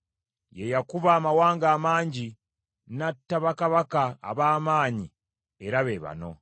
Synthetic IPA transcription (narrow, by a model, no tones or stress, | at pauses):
jejakuβaːmawaːŋɡaːmaːɲɟi | natːaβakaβaka̰ːβaːmaːɲi | eɾaβeːβa̰no̞̰